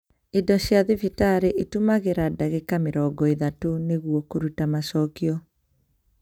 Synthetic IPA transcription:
edɔɕjaðevitaɾeʔetumaɣeɾadaɣekameɾɔːɡɔeðatoneɣwɔkoɾutamasɔːkiɔ

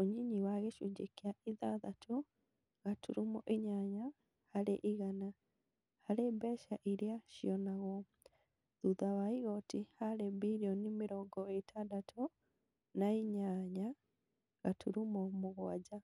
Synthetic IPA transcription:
oɲiɲiwaɣeʃud͡ʒekjaiðaðatʰɔ | ɣatuɾumɔʔiɲaɲa | halɛ̰ʔiɣana | halɛbɛʃaʔiɾjaʃiɔnaɣɔ | ðuðawaiɣɔtihalɛbiɾjɔnimiɾɔɡɔetʰadatʰɔ | naiɲaɲa | ɣatʰuɾumɔmuɣwa̰d͡ʒa

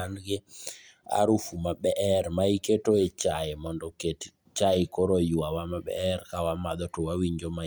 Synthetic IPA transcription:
anɡɪ | a̰ɾufumaɓɛʔɛɾmaiketoet͡ʃaɪmɔndɔket | t͡ʃaɪkɔɾojuwawamaɓɛ̰ɾkawamad̪ɔtɔwawiɲd͡ʒoma

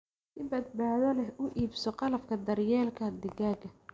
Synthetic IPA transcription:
sɪbɐd̪̚baːðɐlɛɦʊʔiːbsɔqɑlɐfkʰɐd̪ɐrjɛːlkʰɐd̪ɪɣaːɡɐ

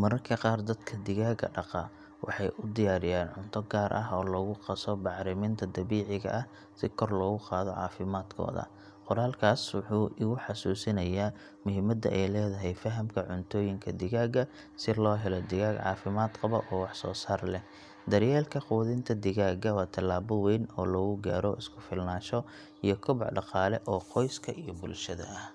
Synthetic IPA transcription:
mɐɾɐrkʰɐqɑːrd̪ɐd̪kʰɐd̪ɪɣaːɡɐ̰ɖɑqɑ | wʔɑ̰ħɑjʔʊd̪ɪjaːɾɪjaːnʕʊnt̪ʰɔɡaːɾʔɐɦɔːlɔːɣʊqɑsɔbɑʕɾɪmɪnt̪ʰɐd̪ɐβiːʕɪɣɐ̰ʔɐh | sɪkʰɔrlɔːɣʊqɑːðɔʕɑ̰ːfɪmaːd̪kʰɔ̰ːðɐ̰ | qɔɾaːlkʰaːswʊħuːʔɪɣʊħɑsuːsɪnɐjaː | mʊɦɪmɐd̪ɐʔɛjlɛːðɐɦɛjfɐɦɐmkʰɐʕʊnt̪ʰɔːjɪŋkʰɐd̪ɪɣaːɡɐ | sɪlɔːɦɛlɔd̪ɪɣaːɡʕɑ̰ːfɪmaːd̪qɑβɔ̰ʔɔːwɑħsɔ̰ːsaːrlɛ | d̪ɐrjɛːlkʰɐquːðɪnt̪ʰɐd̪ɪɣaːɡɐwɑːt̪ʰɐlːaːβɔwɛːnɔːlɔːɣʊɡa̰ːɾɔʔɪskʰʊfɪlnaːʃɔ | ijɞkʰʊβɑʕħɖɑqɑːlɛʔɔːqɔjskʰɐʔijɔbʊlʃɐðɐ̰ʔɐh

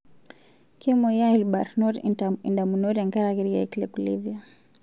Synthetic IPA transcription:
kimɔjailba̰ɾnɔɾiaḭndamunɔɾaŋɡaɾaɣiɾja̰iklɛkulḭvja

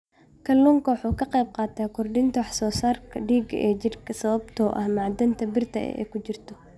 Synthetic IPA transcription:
kʰɐlːuŋkʰɐwɑħuːkʰɐqɛjb̚qɑːt̪ʰaːkʰʊrɖɪnt̪ʰɐwɑħsɔːsaːrkʰɐɖiːɡɐʔɛːd͡ʒɪrkʰɐsɐβɐbt̪ʰɔːʔɐ̰hmaʕd̪ɐnt̪ʰɐbɪrt̪ʰɐ̰ɛ̰ʔɛ̰ːkʰʊt͡ʃɪrt̪ʰɔ

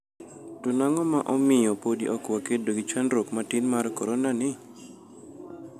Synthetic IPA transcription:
tonaŋɔmaʔɔmɪjɔpodiʔɔkwakedoɡɪt͡ʃanɾokmatinmarkɔɾɔnanɪ

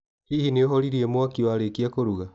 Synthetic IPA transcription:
ɾihineoɦɔɾiɾiɛmwakiwaɾekiakoɾuɣa

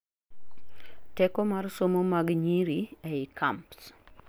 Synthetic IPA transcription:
tɛkɔmarsomomaɡɲiɾiɛɪkʰamps

